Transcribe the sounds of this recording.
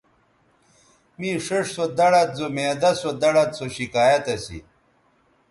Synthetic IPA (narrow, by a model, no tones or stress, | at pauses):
mĩːʂeʂsod̪ɐɽɐt̪̚zomeːd̪ɐsod̪ɐɽɐt̪soɕikaːjɐt̪ɐsḭ